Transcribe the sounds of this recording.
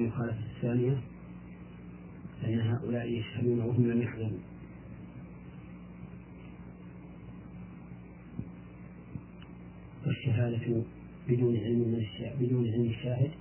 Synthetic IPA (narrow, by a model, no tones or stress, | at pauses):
lmʊxaːlafaθːaːnɪja | lɪʔanːaɦaːʔʊlaːʔjaʃhad̪uːnawaɦʊmlamjaħd̪ʊm | waʃːaɦaːd̪a | bɪd̪uːnʕɪlmmɪnaʃaːbɪd̪uːnʕɪlmɪʃːaːɦɪd̪